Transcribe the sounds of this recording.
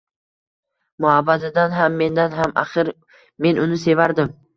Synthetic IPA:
mʊhabad̪ɪd̪anɦamːe̞nd̪anɦamʔa̰χɨɾ | me̞nʊnɪse̞vaɾd̪ɪm

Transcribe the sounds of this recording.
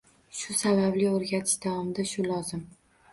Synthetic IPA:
ʃʊsabablɪoɾɡʲat̪ʰɪʃd̪awɒmɪd̪aʃʊlɒzɪm

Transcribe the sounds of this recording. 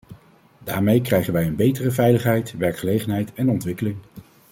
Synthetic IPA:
daːɹmejkrɛjχənʋɛjənbejtərəvɛjləχɦɛjtʋɛɹkχəlejχənɦɛjtɛnɔntʋɪkəlɪŋ

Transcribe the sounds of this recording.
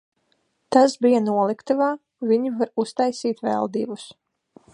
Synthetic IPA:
t̪asbijanuɔlˠikt̪ɨvaː | vʲiɲivaɾust̪ajsiːt̪vɛ̰lˠd̪iːbus

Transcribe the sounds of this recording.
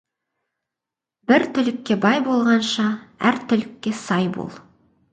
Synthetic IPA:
bɪɾt̪ʰʏlɪkʲːe̞bɑjbo̞lˠʁɑnʃɑæ̰ɾt̪ʰʏlɪkʲːe̞sɑjbo̰lˠ

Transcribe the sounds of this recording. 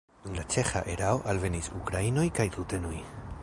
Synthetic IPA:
dunlat͡ʃe̞xa̰ʔeɾaoʔalve̞nisukɾaino̞jkajtute̞noj

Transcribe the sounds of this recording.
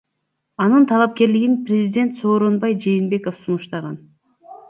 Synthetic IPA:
ɑnɯnt̪ʰɑlˠɑp̚ke̞ɾliɡinprʲezʲid̪ʲe̞nt̪so̞ːɾo̞nbɑjd͡ʒe̞ːnbe̞ko̞fsunuʃt̪ɑʁɑn

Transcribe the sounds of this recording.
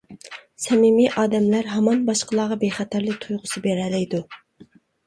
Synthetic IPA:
sɛmimiʔɑːd̪ɛmlæɾɦɑmɑnbɑʃqəlˠɑːʁɑbeχɛt̪ʰæɾlɪkt̪ʰujʁʊsɨbeɾɛlɛjd̪u

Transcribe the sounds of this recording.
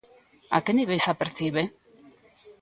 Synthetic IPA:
a̰keniβejsapeɾθiβe

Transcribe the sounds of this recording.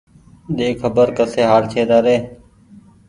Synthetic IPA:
ɗ̪eːkʰəbəɾkəseːɦaːɾt͡ʃʰeːd̪aːɾeː

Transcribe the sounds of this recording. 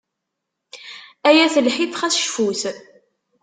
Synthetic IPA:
æjæθəlħiθχæsʃfuθ

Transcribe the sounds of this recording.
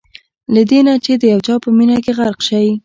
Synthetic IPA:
lad̪enat͡ʃed̪əjawt͡ʃɑpəminakeɣaɾqʃawi

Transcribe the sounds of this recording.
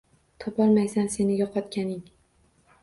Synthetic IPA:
t̪ʰɒpʰɒlˠmajsanse̞nɪɡʲaqʰɒt̪kʲanɪŋ

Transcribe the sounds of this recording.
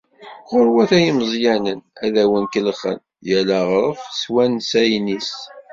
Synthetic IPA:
χʊɾwæθæjiməzˤjænənæðæwənkəlχə̰n | jælæʁɾˤəfswænsæjnis

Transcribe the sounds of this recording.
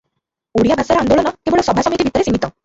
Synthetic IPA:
uɽijabʱasaɾɔnd̪oɭɔnɔkeboɭesɔbʱasɔmit̪ibʱit̪ɔɾesiŋɡit̪ɔ

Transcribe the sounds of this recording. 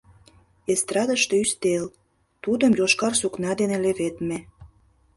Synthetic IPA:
est̪ɾɑd̪əʃt̪eyst̪el | t̪ud̪əmjoʃkɑrsuknɑd̪eneleβet̪me

